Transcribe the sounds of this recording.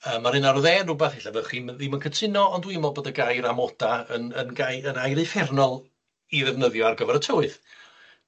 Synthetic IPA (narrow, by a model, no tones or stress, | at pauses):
əːmːaɾɨnaɾɔðɛːnrʊbɛθhɪɬavɛχimðiməkʰətʰɪnɔɔndwiəmɔlˠboːdaɡajɾamɔd̥aənənɡajənajɾɨfɛrnɔlˠ | iðɛvnəðjɔarɡəvɛɾətʰəwɨθ